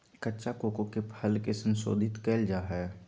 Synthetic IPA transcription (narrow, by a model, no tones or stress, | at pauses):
kətːʃakoːkokepʰəlkesənso̰ːd̪ʱɪt̪keːld͡ʒaːɦɛː